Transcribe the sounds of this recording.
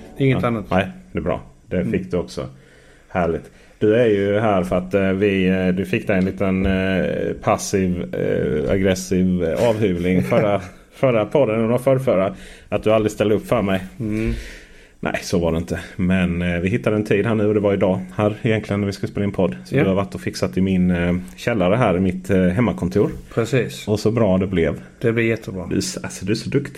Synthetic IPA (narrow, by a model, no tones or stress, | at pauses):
ɪŋːət̪anat̪nɛɪd̪̥ɛbɾɑ̰ːd̪ɛfɪkːd̪ɵɔksɔ̰ | hæːɭɪɡ̚t̪ | d̪̥ɵæɾjɵɦæːɾfœɾat̪vɪd̪ɵfɪkːd̪ɛjɛnliːt̪ən | pʰasɪv | a̰ɡɾɛsiːvɑːvhʉːvlɪŋfœɾa | fœɾapʰɔd̪ːənːɾafœːɾfœːɾa | at̪̚d̪ɵalɾɪst̪ɛld̪əɵpːfœːɾmɛj | nʔæ̰ɪsɔvaɖɛɪnt̪əmɛnvɪɦɪt̪ːad̪əɛnt̪ʰiːd̪hæːɳʉ̟ːɔd̪ɛvaɾɪd̪ɑːhæːɾɪjɛnt̪lɪɡənːæɾvɪskɵləspeːlaɛnpʰɔd̪ːsɔd̪ɛhaɾvaʈːɔfɪksat̪ːɪmɪnɕɛlːaɾəɦæːɾɪmɪt̪ɦɛmːakʰɔnt̪ʰuːɾpʰɾɛsiːsɔsɔbɾɑːd̪ɛblɛv | d̪ɛblɪjɛt̪ʰːəbɾɑ̰æsasɔd̪ʉæʂɔd̪ɵkt̪ɪ